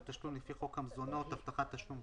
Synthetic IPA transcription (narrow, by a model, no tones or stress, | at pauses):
t̪aʃlumlefiχo̞khamzono̞t̪haft̪aχat̪ːaʃlum